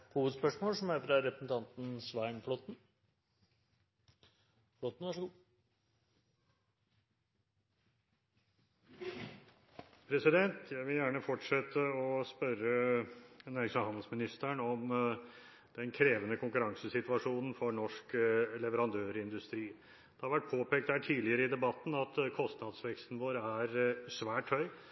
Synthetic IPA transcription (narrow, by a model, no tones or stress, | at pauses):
huːʋəd̪spœʂmoːlsɔmæɾfɾɑɾɛpɾəsn̩t̪ʰɑnt̪n̩sʋæɪnflɔt̪n̩ | flɔt̪n̩ʋæʂɡu | pʰɾɛsɪd̪ɛnt̪ʰjæɪʋɪljæːɳəfɔʈʂɛt̪ːəɔspœɾə | næʂəhɑnd̪l̩smɪnɪst̪æɳɔm | d̪̥ɛnkʰɾeːʋənəkʰʊŋkʉɾɑŋsəsɪt̪ʋɑʂuːnn̩fɔɳɔʂklɛʋəɾɑnd̪øːɾɪnd̪ʉst̪ɾiː | d̪̥ɛhɑɾʋæʈ̚pʰoːpʰeːk̚t̪hæːʈʰiːlɪəɾəɪd̪ɛbɑt̪ːn̩ɑt̪kʰɔst̪nɑːd̪sʋɛkst̪n̩ʋoːɾæɾsʋæːʈhœʏ